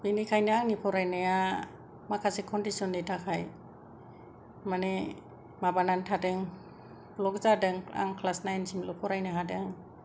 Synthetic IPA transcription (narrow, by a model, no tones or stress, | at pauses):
binikʰajnɯaŋnipʰɔɾajnɯja | makʰasekʰɔndisɔnditʰakʰaj | mane | mabanantʰadɯŋ | blɔk̚zadɯŋa̰ŋkʰlasnajnsimlɔpʰɔɾajnɯɦadɯŋ